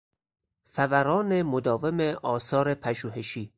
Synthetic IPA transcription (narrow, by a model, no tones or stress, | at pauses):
fævæɾɒːnemod̪ɒːvemeʔɒːsɒːɾe̞pʰæʒuːɦe̞ʃiː